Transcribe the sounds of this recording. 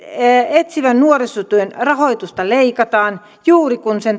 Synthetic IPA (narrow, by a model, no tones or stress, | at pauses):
et̪siʋænnuorisut̪uenrɑhoijt̪ust̪ɑleikɑt̪ɑːn | juːrikunsen